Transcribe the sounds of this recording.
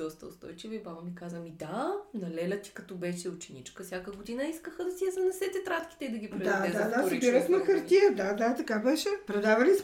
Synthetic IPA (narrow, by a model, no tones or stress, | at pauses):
ɔst̪ə̰ʊst̪ɔ̰jt͡ʃivɐibabɐmikazvɐmid̪anɐlɛlʲɐt̪i̥kɐt̪ɔbɛʃɛʊt͡ʃɛnit͡ʃkəsʲjakəɡod̪inɐiskəxəd̪ɐsijɐzɐnɛsɛt̪ɛt̪ɾat̪kʲi̥t̪ɛid̪ɐɡʲipɛd̪aɛad̪asbiɾəsmɛxɐɾt̪iəd̪ad̪at̪ɐkabɛʃɛpɾɛd̪avɐlis